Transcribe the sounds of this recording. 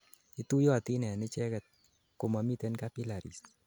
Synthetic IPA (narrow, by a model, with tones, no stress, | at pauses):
i˦tu˦jɔ˦˨t̪i˦nɛ˨a˨nɪ˦t͡ʃɛ˦kɛ˨t̪̚ | ko˨ma˨mi˦te˦nka˦pi˦la˨ɾḭ˨s